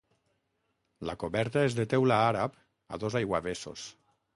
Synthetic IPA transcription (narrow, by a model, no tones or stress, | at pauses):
lakoβɛɾt̪aezðet̪ɛwlaaɾap | a̰ðozajɣwaβeso̰s